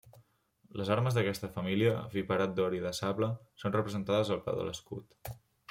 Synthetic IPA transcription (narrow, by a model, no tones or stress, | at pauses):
ləzaɾməzðəkɛst̪əfəmiliəviβəɾat̪̚d̪ɔɾiðəsaβləsonrəpɾəzənt̪aðəzəlˠpɛ̰wðə̰ləskṵt̪